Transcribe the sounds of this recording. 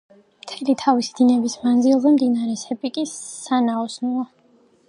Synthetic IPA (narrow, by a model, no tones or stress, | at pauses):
mt̪ʰɛlit̪ʰavisid̪̥inɛbismanzilˠzɛmd̪inaɾɛsɛbikʼisanaɔsnulˠa